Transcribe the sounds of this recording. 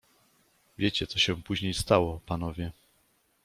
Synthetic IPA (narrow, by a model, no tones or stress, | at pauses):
vʲjet͡ɕɛt̪sɔɕɛ̃puʑɲejst̪awɔpanɔvʲjɛ